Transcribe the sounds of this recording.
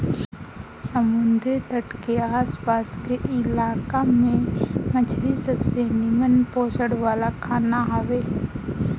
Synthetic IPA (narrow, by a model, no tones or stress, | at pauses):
səmʊnd̪ʱit̪əʈkeaːspaːskeʔɪlaːkamẽmət͡ʃʰɾisəbsenimənpoːt͡ʃəɽʋaːlakʰaːnaɦaʋeː